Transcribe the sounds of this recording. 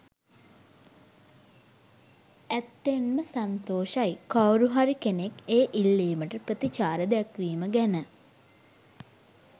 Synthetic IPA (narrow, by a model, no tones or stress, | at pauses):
æt̪ːenməsant̪oːʃajkawɾuɦaɾikenekeːʔilːiːməʈəpət̪it͡ʃaːɾəd̪ɛkʋiːməɡɛnə